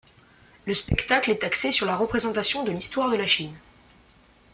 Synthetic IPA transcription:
ləspɛkt̪aklɛt̪aksesyʁlaʁəpχezɑ̃t̪asjɔ̃d̪əlist̪waʁd̪əlaʃin

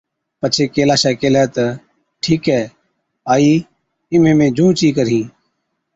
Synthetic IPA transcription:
pət͡ʃʰeːkeːlaːʃɛːkeːlɛːt̪ə | ʈʰiːkɦɛː | aːiː | ɪmẽːmẽːd͡ʒũːt͡ʃiːkəɾĩː

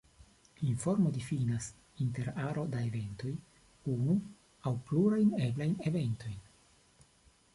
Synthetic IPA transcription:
iɱfo̞ɾmo̞difinas | inte̞ɾaɾo̞daeve̞nto̞j | unu | awpluɾajne̞blajne̞ve̞nto̞jn

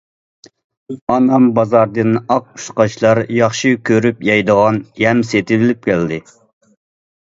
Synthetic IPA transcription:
ɑnɑmbɑzɑɾd̪ɨnɑq̚u̥ʃqɑt͡ʃlˠɑɾjɑχʃikʲʰøɾypjɑjd̪əʁɑnjɛmset̪ʰɪɪlɪp̚kʲʰɛld̪ɪ

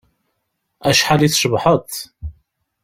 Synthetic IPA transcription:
æʃħaliθʃəvħət̪

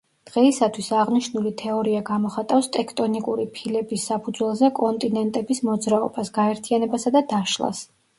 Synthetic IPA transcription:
d̪̥ʁɛisat̪ʰwisaʁniʃnulit̪ʰɛɔɾiaɡamɔχat̪ʼafst̪ʼɛkʰt̪ʼɔnikʼuɾipʰilɛbisːapʰud̪zwɛlˠzɛkʼɔnt̪ʼinɛnt̪ʼɛbismɔd̪zɾaɔ̰basɡ̥aɛɾt̪ʰianɛbasad̪ad̪aʃlˠa̰s

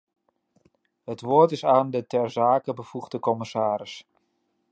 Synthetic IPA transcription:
hətʋoːɹtɪsaːndətɛrzaːkəbəvuɣdəkɔmɪsaːɾɪs

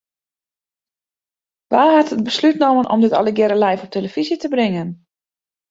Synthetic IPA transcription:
ʋaːɦatəd̚bəslytnomənʔɔ̰mdɪtɔ̰ləɡjɪɾəlɛjfɔp̚tʰeləfizitəbrɪŋən

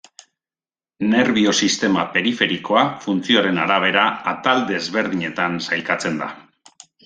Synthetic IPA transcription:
ne̞ɾβio̞sist̪e̞mape̞ɾife̞ɾiko̞afunt͡sio̞aɾe̞naɾaβ̞e̞ɾaːt̪ald̪ezβe̞ɾðiɲe̞t̪ansajkat͡se̞nd̪a̰

